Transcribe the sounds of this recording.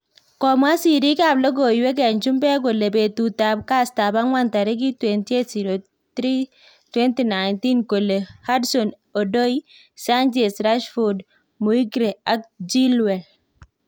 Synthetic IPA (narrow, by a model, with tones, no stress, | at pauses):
kɔ˨mwa˦si˨ɾi˦ka˨blɔ˦ɡo˨jwe˦k̬ɛ˨nt͡ʃu˦mbɛ˦k̬o˨le˨be˨tu˨ta˨b̚ka˦sta˨ba˦ŋwa˦nta˨ɾi˦k̬i˦twenti˦e˦tsi˨ɾo˨ | tɾi˦ | twɛ˦nti˨na˨jnti˦nko˨le˨ha˦dsɔ˨n | o˨do˦i | sa˦nd͡ʒe˨lsɾa˦ʃfɔd | mu˨i˦ɡɾe˨a˨k̚d͡ʒi˦lwɛ˨l